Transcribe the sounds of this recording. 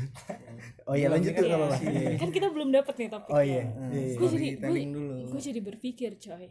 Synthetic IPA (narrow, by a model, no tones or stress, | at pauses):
ojalaɲd͡ʒʊt̪ːukalolahkankit̪abəlʊmdapət̪̚nit̪apojjajajɡuad͡ʒadit̪ŋduluɡuad͡ʒadibərfikɪrt͡ʃɔj